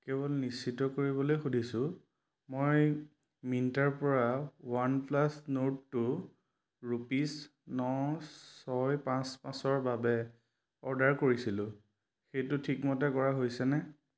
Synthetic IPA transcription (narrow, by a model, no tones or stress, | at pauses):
kɛbɔlnisːitɔkoɹibɔlojxudʱisʊ̃ | moj | minitaɹpɔɹawanplasnotːʊ | ɹupisnɔsɔjpãspãsɔɹbabɛ | ɔɹdaɹkoɹisilʊ̃ | xejtʊtʰikmɔtɛkɔɹaɦojsɛnɛ